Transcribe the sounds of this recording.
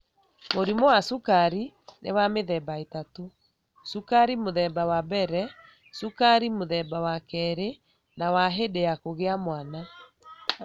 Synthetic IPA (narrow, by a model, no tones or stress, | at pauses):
moɾimɔwasukaɾi | nḛwameðɛbaetato | sukaɾimoðɛbawabɛɾɛ | sukaɾimoðɛbawakɛɾe | nawaɦedejakoɣeamwana